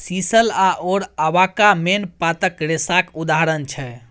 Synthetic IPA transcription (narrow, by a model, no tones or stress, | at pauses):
sisəlaʔoɾəʋakamenpat̪əkɾesakud̪aɦɾənt͡ʃʰɛ